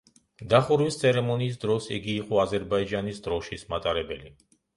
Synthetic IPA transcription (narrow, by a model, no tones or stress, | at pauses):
d̪aχuɾwist̪sʰɛɾɛmɔniːs̬d̪ɾɔsḭɡiːqʼɔazɛɾbaid͡ʒanisd̪ɾɔʃismat̪ʼaɾɛbɛli